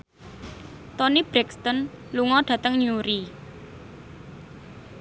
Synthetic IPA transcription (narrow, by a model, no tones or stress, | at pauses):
t̪ɔnib̥ɾɛkst̪ɔn | luŋɔɖ̥ä̤t̪əŋɲuɾi